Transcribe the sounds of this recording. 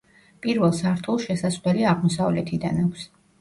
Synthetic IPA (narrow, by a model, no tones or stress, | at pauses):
pʼiɾvɛlˠsaɾt̪ʰulˠʃɛsaslɛliaʁmɔsavlɛt̪ʰid̪anakʰs